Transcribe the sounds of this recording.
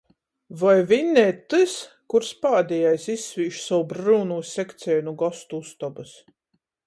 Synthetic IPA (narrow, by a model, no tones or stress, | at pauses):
vajvinʲːɛːt̪ɨs | kuɾspaːd̪ʲijajsisːviːʃsawbɾuːnuːsʲɛkt̪sʲɛːnuɡɔst̪uust̪ɔbɨs